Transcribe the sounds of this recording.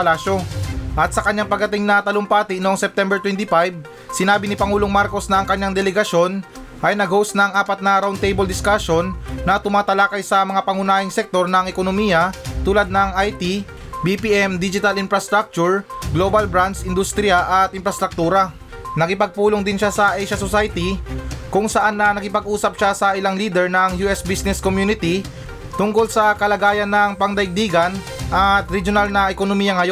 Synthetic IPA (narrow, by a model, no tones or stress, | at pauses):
pɐlaːʃo̞ʔɐt̪̚sɐkɐɲːaŋpɐɡ̚dɐt̪ɪŋnɐt̪ɐloŋpaːt̪ɪnoʔŋsɛp̚t̪ɛmbɛɹt̪wɛnt̪ɪfajb̚ | sɪnaːbɪnɪpɐŋuːloŋmaɾko̞snɐʔɐŋkɐɲːaŋd̪ɛlɛɡɐʃo̞n | ʔɐjnɐɡhowsnɐɐŋaːpɐt̪̚nɐɾawnt̪ejbold̪ɪskaʃonːɐt̪ʊmaːt̪ɐlakɐjsɐmɐŋapɐŋʊnaːhɪŋsɛk̚t̪o̞ɾnɐŋɛkonomiːjɐt̪uːlɐd̪̚nɐŋajt̪i | bipiʔɛmd̪id͡ʒɪt̪ɐlɪnfɾɐst̪ɾak̚t͡ʃʊɹɡlobɐlbɾansʔɪnd̪ust̪ɾɪjɐʔɐt̪ʔɪnfɾɐst̪ɾɐk̚t̪uːɾɐ | nɐkɪpɐɡ̚puːloŋd̪ɪnʃasɐʔɛjʃɐsosajt̪ikʊŋsɐʔanːɐnɐkɪpɐɡʔuːsɐp̚ʃasɐʔɪlaŋliːd̪ɛɹnɐŋjuːʔɛsbisnɛskomjuːnɪt̪i | t̪ʊŋko̞lsɐkɐlɐɡaːjɐnːɐŋpɐŋd̪ɐɪɡ̚d̪iːɡɐn | ʔɐt̪ɾɛd͡ʒjonalnɐʔɛkonomiːjɐŋɐjo